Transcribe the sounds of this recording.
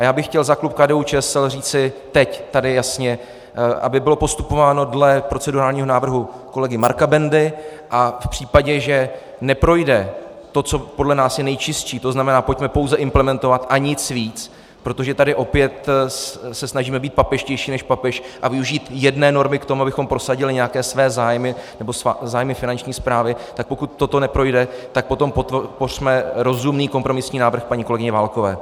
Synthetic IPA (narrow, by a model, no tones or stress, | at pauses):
ʔajaːbɪxːcɛlzaklup̚kaːdɛːut͡ʃɛːɛsɛlriːt͡sɪt̪ɛct̪adɪjasɲɛ | ʔa̰bɪbɪlo̞po̞st̪upo̞vaːno̞dlɛpɾo̞t͡sɛduɾaːlɲiːɦo̞naːvr̩ɦuko̞lɛɡɪmaɾkabɛndɪʔafpr̝̥iːpaɟɛʒɛ | nɛpɾo̞jdɛ | t̪o̞t͡so̞podlɛnaːsjɛnɛjt͡ʃɪst͡ʃiːt̪o̞znamɛnaːpoc̚mɛpo̞wzɛʔɪmplɛmɛnt̪o̞vat̪ʔaɲɪt͡sviːt͡s | pɾo̞t̪o̞ʒɛt̪adɪʔo̞pjɛt̪ | sɛsnaʒiːmɛbiːt̪̚papɛʃcɛjʃiːnɛʃpapɛʃʔavɪuʒiːt̪jɛdnɛːno̞ɾmɪkt̪o̞muabɪxo̞mpɾo̞saɟɪlɪɲɛjakɛːsvɛːzaːjmɪnɛbo̞szaːjmɪfɪnant͡ʃɲiːspɾaːvɪt̪ak̚po̞kut̪̚ːo̞t̪o̞nɛpɾo̞jdɛt̪ak̚po̞t̪o̞mpot̪por̥mɛɾo̞zumniːkompɾo̞mɪsɲiːnaːvr̩xpaɲiːko̞lɛɡɪɲɛvaːlkovɛː